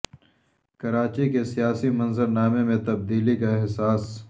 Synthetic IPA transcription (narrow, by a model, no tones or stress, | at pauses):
kɐɾaːt͡ʃikesijaːsimɐ̃nzəɾnaːmẽmẽt̪ɐb̚d̪iːlikaɪɦsaːs